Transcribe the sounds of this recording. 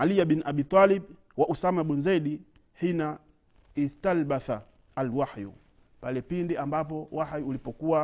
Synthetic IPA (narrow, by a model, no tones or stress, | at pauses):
alijabinʔaɓit̪ˤalɛb | waʔusamaɓunzaɗi | hina | istalbaθa | alwaħjṵ | palɛpindiambap̬ɔwaħjuːlipɔkuwa